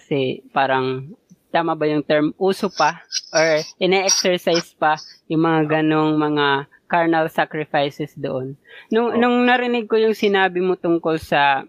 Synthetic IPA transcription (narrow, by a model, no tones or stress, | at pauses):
kɐsɛpaːɾɐŋt̪aːmɐbajʊŋt̪ɛɹmʔuːsopɐʔoɹʔɪnɛʔɛksɛɹsajspɐjʊŋmɐŋaɡɐno̞ŋmɐŋa | kaɹnɐlsakɾɪfajsɛsd̪o̰ʔonnʊŋnʊŋnɐɾɪnɪɡ̚kojʊŋsɪnaːbɪmot̪ʊŋko̞lsɐ